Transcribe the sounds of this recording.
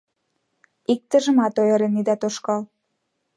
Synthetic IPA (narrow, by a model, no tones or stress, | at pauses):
ik̚t̪ə̆ʒə̆mɑt̪ojɤ̆ɾenːid̪ɑt̪oʃkɑl